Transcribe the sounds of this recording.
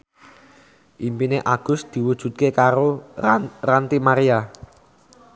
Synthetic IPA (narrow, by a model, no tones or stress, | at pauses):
ʔimpineʔaɡ̥ʊ̤sd̪̥i̤wud̥ʒ̥ṳt̪̚kekaɾo | rant̪imaɾia